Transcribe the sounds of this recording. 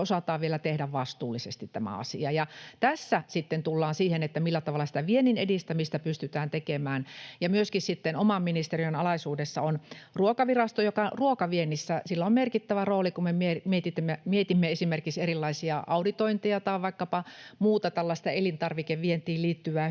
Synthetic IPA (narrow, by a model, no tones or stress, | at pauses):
osɑt̪ɑːʋʋielæt̪ehdæʋʋɑst̪uːlːˑisest̪it̪t̪æmæ̰ɑ̰sḭɑjɑt̪æsːæsit̪ːent̪ulːɑːnsiːhenet̪ːæmilːæt̪ɑʋɑlːˑɑsi̥t̪æʋieninedist̪æmist̪æpyst̪yt̪æːnt̪ekemæːnjɑmyøskissit̪ːenomɑmminist̪eriønɑlɑisuːdesːɑonruokɑʋirɑst̪ojokɑruokɑʋienisːæsilːæommerkit̪ːæʋæroːlikumemiemiet̪it̪ːemːemiet̪imːeesimerkikserilːɑisiɑʔɑudit̪oint̪iɑt̪ɑiʋɑikːɑpɑmuːt̪ɑt̪ælːɑst̪ɑelint̪ɑrʋikeʋʋient̪iːlliːt̪ːyʋæː